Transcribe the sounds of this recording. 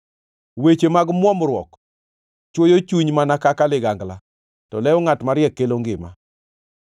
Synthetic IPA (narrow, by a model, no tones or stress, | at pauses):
wet͡ʃemaɡmwɔmɾwɔk | t͡ʃwojot͡ʃuɲmanakakalɪɡaŋɡla | tɔlɛɔŋatmaɾjɛkːeloŋɡɪma̰